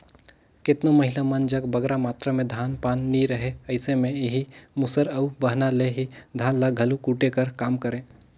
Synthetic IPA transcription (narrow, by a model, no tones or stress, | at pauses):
kɪt̪nomɐɦɪlamɐnd͡ʒɐɡbɐɡɾamaːt̪ɾamẽd̪ʱaːnpaːnːiɾɐɦeɐɪsemẽeɦimʊsəɾɐubɐɦnaleɦid̪ʱaːnlaɡʱɐlukuːʈekɐɾkaːmkɐɾẽː